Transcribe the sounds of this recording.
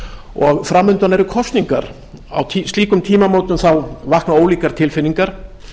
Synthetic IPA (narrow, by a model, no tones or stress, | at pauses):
ɔɣfɾamːʏnt̪anɛɾʏkʰɔst̪niŋkaɾ | a̰wt̪ʰist̪liːkʏmt̪ʰiːmamowt̪ʏnθawvahknaoːwliːkaɾ̥t̪ʰɪlfɪnːiŋkaɾ̥